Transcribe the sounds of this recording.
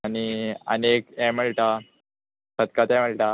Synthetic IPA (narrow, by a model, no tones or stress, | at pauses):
aniə̰nekɛ̃m̤əɭʈa | səd̪kat̪ɛ̃m̤əɭʈa